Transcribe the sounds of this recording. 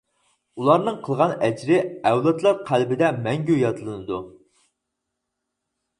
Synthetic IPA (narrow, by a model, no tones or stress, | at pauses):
ulˠɑɾnɨŋqʰəlˠʁɑnɛd͡ʒɾɪɛwlˠɛt̪lˠɑɾqʰælbɪd̪ɛmɛŋɡʲyjɑt̪ʰɨlˠɨnɨd̪u